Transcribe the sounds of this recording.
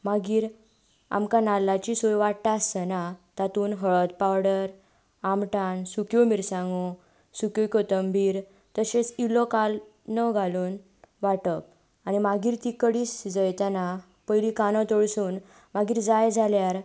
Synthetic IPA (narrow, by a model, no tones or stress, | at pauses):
maɡiːɾ | a̰mkanalːat͡ɕisojʋaʈt̪asənat̪at̪uːnɦəɭət̪̚pawɽəɾ | amʈansukjomiɾsãŋɡo | sukjokot̪əmbiːɾ | t̪əɕesilɔkal | nəɡʱaluːn | ʋaʈəp̚ | añimaɡiːɾt̪ikəɽiːsd͡zəjt̪ana | pəjlikanɔ̃t̪ɔɭsuːn | maɡiːɾd͡zajd͡zʱaljaɾ